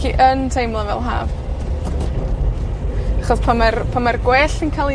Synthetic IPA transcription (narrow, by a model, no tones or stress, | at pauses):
iʔəntʰejmlˠavɛ̰lˠɦa̰ːv | aχɔspʰamarpʰamarɡwɛːɬənkʰalˠi